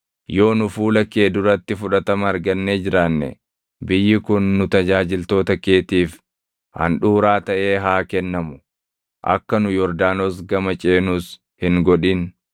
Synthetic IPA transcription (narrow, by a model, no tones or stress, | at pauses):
jo̞ːnʊfuːlɐkeːd̪ʊɾɐt̪ːɪfʊᶑɐt̪ɐmɐːɾɡɐnːeːd͡ʒɪɾaːnːɛ̰ | bɪjːɪkʊnːʊt̪ɐd͡ʒaːd͡ʒɪlt̪o̞ːt̪ɐke̞ːt̪iːf | hɐ̰nᶑuːɾaːt̪ɐʔe̞ːɦaːkɛnːɐmʊ̥ | ʔɐ̰kːɐnʊjɔɾd̪aːnoːs̬ɡɐmɐt͡ʃʼeːnuːs | hɪŋɡɔᶑin